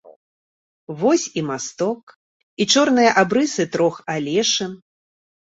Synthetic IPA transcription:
vɔsʲimast̪ɔk | it͡ʂɔrnɨjɐʔabɾɨsɨt̪ɾɔxalʲɛʂɨm

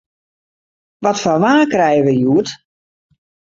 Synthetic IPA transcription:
ʋɔtfɔnʋaːkrɛjəʋəjuət

